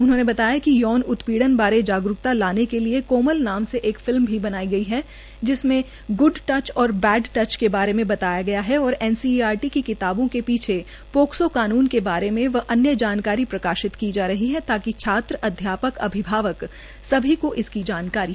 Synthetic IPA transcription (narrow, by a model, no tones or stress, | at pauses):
ʊnɦõːnebɐt̪aːjakijɔːnʊt̪piːɽənbaːɾed͡ʒaːɡɾʊkt̪alaːnekeliekoːməlnaːmseʔeːkfɪlmbʱibɐnaːiɡɐiɦɛ | d͡ʒɪsmẽ | ɡʊɖʈɐt͡ʃɔːɾbɛːɖʈɐt͡ʃkebaːɾemẽbɐt̪aːjaɡɐjaɦɛɔːɾɛːnsiːaːɾʈikikɪt̪aːbõkepiːt͡ʃʰe | poːksokaːnuːnkebaːɾemẽʋɐʔɐnjəd͡ʒaːnkaːɾipɾɐkaːʃɪt̪kid͡ʒaːɾɐɦiɦɛt̪aːkit͡ʃʰaːt̪ɾəʔɐd̪ʱjaːpəkɐ̰bʱɪbʱaːʋək | sɐbʱikoʔɪskid͡ʒaːnkaːɾi